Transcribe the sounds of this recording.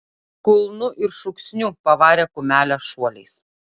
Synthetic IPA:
kʊlˠnʊʔɪɾʃʊksʲnʲupɐʋɑːɾʲeːkʊmʲæːlʲɛʃuɔlʲɛɪs

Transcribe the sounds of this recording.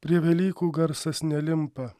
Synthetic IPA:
pʲɾʲiɛʋʲɛlʲiːkuːɡɐɾsɐsnʲɛlʲɪmpɐ

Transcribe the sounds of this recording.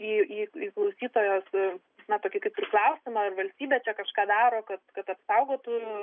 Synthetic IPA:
iːiːiːklˠɐʊsʲiːt̪oːjoːs | nɐt̪oːkʲɪkɐɪp̚ʲɾʲɪklˠɐʊsʲɪmɐɐrʋɐlʲsʲt̪ʲiːbʲɛːt͡ʃʲɛkɐʃkɑːd̪ɑːɾoːkɐt̪kɐt̪ɐpsɐʊɡoːt̪u

